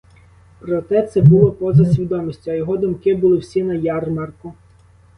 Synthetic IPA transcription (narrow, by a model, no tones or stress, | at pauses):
pɾɔt̪ɛt̪sɛbʊlˠɔpɔzɐsʲʋʲid̪ɔmisʲtʲʊɐjɔɦɔd̪ʊmkɪbʊlˠɪwsʲinɐjɑrmɑrkʊ